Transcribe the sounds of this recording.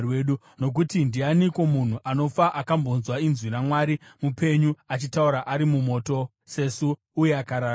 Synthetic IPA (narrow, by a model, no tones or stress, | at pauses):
weɗu | no̞k̬utindianiko̞mun̤uʔano̞faʔakambonzwainzwinamwaːɾimupe̞ɲuat͡ʃitauɾaʔaɾimumo̞to̞ | se̞suː | jeakaɾaː